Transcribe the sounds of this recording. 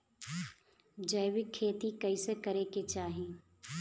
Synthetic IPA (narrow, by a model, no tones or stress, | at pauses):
d͡ʒəjwɪkʰːeːt̪ikəɪsekɐɾeket͡ʃaːɦĩː